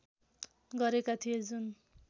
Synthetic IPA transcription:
ɡʌɾekat̪ʰijed͡zun

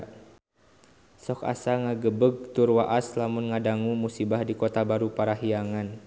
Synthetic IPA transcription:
sɔka̰saŋaɡəbəɡ̚t̪urwaʔaslamunŋadaŋumusibahdikɔt̪abaɾupaɾaɦiaŋan

